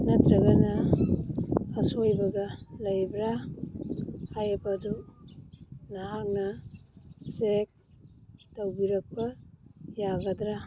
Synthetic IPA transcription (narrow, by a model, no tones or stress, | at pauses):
nɐtɾɐɡɐnɐ | sojbɐɡɐlɐjbɾa | hajɐbɐdu | naɦak̚nɐ | sek̚ | towbiɾɐk̚pɐjaɡɐdɾa